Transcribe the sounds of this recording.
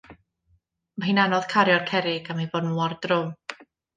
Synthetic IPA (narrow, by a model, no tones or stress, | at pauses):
mahiːnanɔð̥kʰaɾjɔrkʰɛɾɪɡamajvɔnuɔrdrʊ